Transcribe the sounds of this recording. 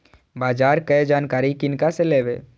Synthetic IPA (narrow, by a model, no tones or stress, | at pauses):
baːd͡ʒaːɾkəjd͡ʒaːnkaːɾikɪnkaseleːʋeː